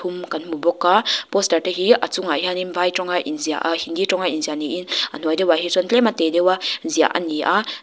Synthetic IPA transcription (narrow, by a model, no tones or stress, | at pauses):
tʰumkanmubɔkːapɔstaɾteɦiʔat͡suŋaianimvajtɔŋaʔinzia̰ʔahinditɔŋajinzianiʔina̰nɔjdewaɦisɔnlematedewazija̰ʔa̰niʔa